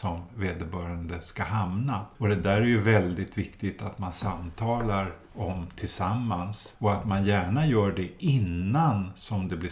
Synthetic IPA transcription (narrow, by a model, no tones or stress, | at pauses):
sɔmveːd̪əɾbœːɾand̪əskaɦamnaɔd̪ɛd̪æːɾæjɵvɛld̪ɪt̪vɪkt̪ɪɡt̪at̪mansamt̪ʰɑːlaɾ | ɔmt̪ʰɪlsamːansɔat̪manjæːɳajœːɖɛʔɪnːansɔmd̪ɛblɪ